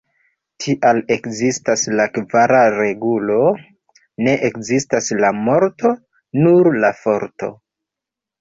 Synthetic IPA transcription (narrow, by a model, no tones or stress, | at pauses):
tʰiʔale̞kzistaslakvaɾaɾe̞ɡulo̞ | ne̞ʔekzistaslamo̞ɾto̞ | nuɾlafo̞ɾto̞̰